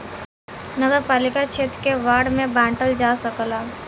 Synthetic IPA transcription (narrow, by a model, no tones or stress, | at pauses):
nəɡəɾpaːlɪkat͡ʃʰeːt̪keʋaːɽmẽbãːɳʈəld͡ʒaːsəklaː